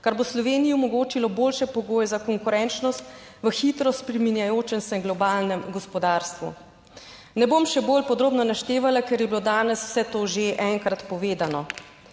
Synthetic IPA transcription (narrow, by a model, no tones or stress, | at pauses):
kaɾboslɔʋeːnijɔmɔɡoːt͡ʃilɔboːlʃɛpɔɡoːjɛzakɔŋkuɾɛnt͡ʃnɔst̪ | ʋəxit̪ɾɔspɾiminjajoːt͡ʃɛnsɛŋɡlɔbaːlnɛmɡɔspɔd̪aːɾst̪ʋṵ | nɛbomʃɛbolpɔd̪ɾoːbnɔnaʃt̪eːʋalakɛɾjɛbilod̪aːnɛsw̥sɛt̪oːʒeʔɛŋkɾat̪pɔʋeːd̪anɔ